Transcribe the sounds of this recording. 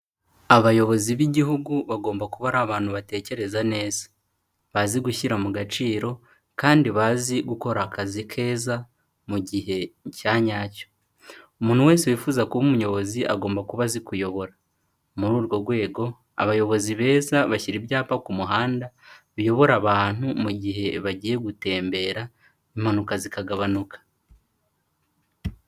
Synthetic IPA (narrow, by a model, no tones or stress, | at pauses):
aβajo̞βo̞ziβiɟiɦuɡuβaɡo̞ːmbakuβaɾaβaːnhuβate̞ːce̞ɾe̞zane̞ːz̥ḁ | βaziɡuçiɾamuɡat͡ʃiːɾo̞ | kaːndiβaːziɡuko̞ɾakazikʰe̞ːza | muɟihe̞caɲaːco̥ | umuːnhuwe̞ːseuwifuːzakuβumuɲo̞βo̞ziʔa̰ɡo̞ːmbakuβazikujo̞βo̞ɾa | muɾuːɾɡo̞ɾɡwe̞ːɡo̞ | a̰βajo̞βo̞ziβe̞ːzaβaçiɾibjaːpakumuɦaːndaβijo̞βo̞ɾaβaːn̥humuɟiɦe̞βaɟije̞ɡute̞ːmbe̞ɾa | im̥hanukazikaɡaβanukḁ